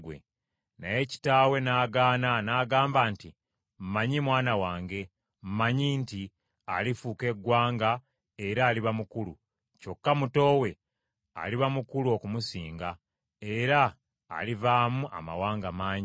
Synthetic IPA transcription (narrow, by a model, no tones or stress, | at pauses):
ɡwḛ | naje̞ci̥taːwe̞naːɡaːnanaːɡaːmbaːnti | m̩maɲimwaːnawaːŋɡe̞ | m̩maɲinti | alifuːke̞ɡwaːŋɡa | e̞ɾaːliβamukulṵ | co̞kːamuto̞ːwe̞ | a̰liβamukuluo̞kumusiːŋɡa | e̞ɾa̰ː | livaːmuʔa̰ma̰waːŋɡamaːɲi